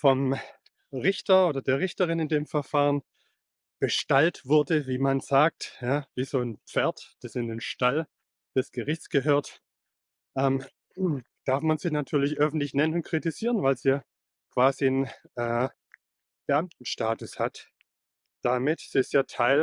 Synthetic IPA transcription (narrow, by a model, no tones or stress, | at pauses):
fɔm | ʁɪçtɐoːdɐdeːɐʁɪçtɐʁɪnɪndeːmfɛɐfaːʁən | b̥əʃtaltv̥ʊɐdəviːmanz̥aːk̚tjaːviːzoːnpp͡fɛɐtd̥asɪndeːnʃtal | d̥ɛsɡ̥əʁɪçt͡sɡ̥əɦøːɐt | ʔɛːm | d̥aɐfmanziːnatʰyːɐlɪçʔœfn̩tlɪçnɛnənʊnt̚kʁ̥itiz̥iːʁənvaɪlziːja | kv̥aːzinʔɛː | b̥əʔamtn̩ʃtaːtʊshat | d̥amɪtsɪstjaːtʰaɪl